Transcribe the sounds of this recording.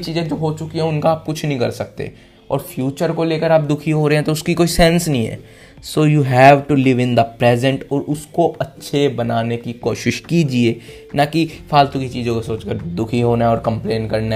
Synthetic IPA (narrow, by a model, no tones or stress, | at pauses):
t͡ʃiːzẽd͡ʒoːɦot͡ʃʊkiɦɛ̃ʊnkaaːp̚kʊt͡ʃʰnɐɦĩkɐɾsɐk̚t̪ḛː | ɔ̰ːɾfʰjuːt͡ʃəɾkoleːkəɾaːp̚d̪ʊkʰiɦoɾɐɦeɦɛ̃t̪oʊskikoːisɛ̃nsnɐɦĩɦɛ̰ː | soːjuːɦɛːʋʈulɪʋɪ̃nd̪əpɾɛːzə̃ɳʈɔːɾʊskoʔɐtːʃʰebɐnaːnekikoːʃɪʃkiːd͡ʒieː | nakifʰaːlt̪ukit͡ʃiːzõkosoːt͡ʃkəɾd̪ʊkʰiɦoːnaɦɛ̃ɔːɾkɐ̃mplẽːnkɐɾna